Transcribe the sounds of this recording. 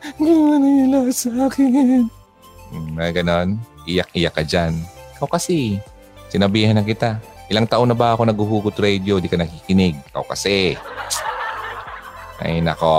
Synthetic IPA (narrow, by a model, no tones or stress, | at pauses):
ɡɪwanɐjɐlasaːkɪn | m̩aɡɐno̞nʔɪjak̚ʔɪjakːɐd͡ʒankawkɐsi | sɪnɐbiːhanɐkɪt̪aʔɪlaŋt̪aʔonɐbaʔɐko̞nɐɡuɦuːkʊt̪ɾɛd̪jod̪ikɐnɐkikɪnɪɡ̚ka̰wkɐ̰sɛ | ʔɐ̰jnɐ̰ko